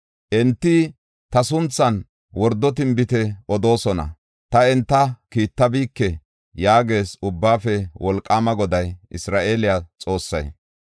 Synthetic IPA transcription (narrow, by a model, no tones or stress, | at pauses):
ʔɛnt̪ːɪ | t̪ɐsʊnt͡sːɐn | wɔɾd̪ːɔt̪̬ɪmbɪt̪ɛɔd̪o̞ːsɔnɐ̰ | t̪ɐɛnt̪ːɐkiːt̪ːɐbiːkːɛ | jaːɡe̞ːsʊbːaːfɛwɔlkʼːaːmɐɡɔd̪ɐjʔɪsɾaːʔe̞ːlɪjat͡sʼo̞ːsːɐ̰j